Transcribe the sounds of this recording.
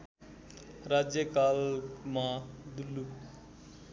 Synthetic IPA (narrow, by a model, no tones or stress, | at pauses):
rad͡zjʌkalmad̪ulːu